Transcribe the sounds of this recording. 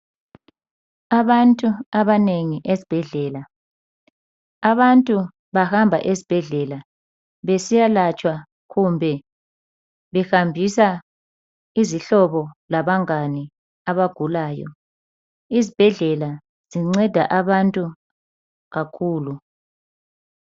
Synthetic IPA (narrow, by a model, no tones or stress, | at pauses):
aβantʼuaβaneŋiʔezib̥ʱɛɮɛːla | aβantʼu | βahambʱa̰ʔezib̥ʱɛɮɛla | βesijalat͡ʃʼwa | ɣumbʱɛ | βɛxambʱisa | iziɬɔβɔlaβaŋani | aβaɡ̥ʱulaːjɔ̰ | izib̥ʱɛɮɛla | z̥iŋ͡ǀɛd̥ʱa̰ʔaβantʼu | ɣakʰuːlu